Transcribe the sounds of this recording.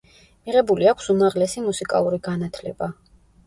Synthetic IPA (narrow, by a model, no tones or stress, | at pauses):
miʁɛbuliakʷʰsumaʁlɛsimusikʼa̰lˠuɾiɡanat̪ʰlɛba